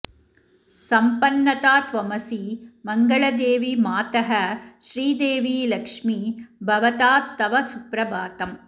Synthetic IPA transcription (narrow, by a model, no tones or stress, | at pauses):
sɐmpɐnːɐt̪aːt̪ʋɐmɐsimɐŋɡɐɭɐd̪eːʋimaːt̪ɐɦɐʃɾiːd̪eːʋiːlɐkʂmibʱɐʋɐt̪aːt̪ːɐʋɐsupɾɐbaːt̪ɐm